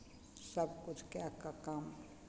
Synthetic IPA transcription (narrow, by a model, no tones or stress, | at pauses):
sɐbkʊt͡ʃʰkeakakam